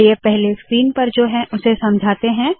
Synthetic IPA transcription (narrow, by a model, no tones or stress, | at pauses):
ɪepɛɦleskɾiːnpɐɾd͡ʒoːɦɛ̃ʔʊsesɐ̃md͡ʒʱaːt̪eɦɛ̃ː